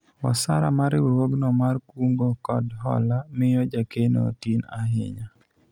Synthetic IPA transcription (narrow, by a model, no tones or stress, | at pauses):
ɔ̰saɾa̰maɾɪwewoɡnɔmarkuŋɡokɔdɦɔ̰lamɪjɔd͡ʒakeno̰tina̰ɦɪ̰ɲa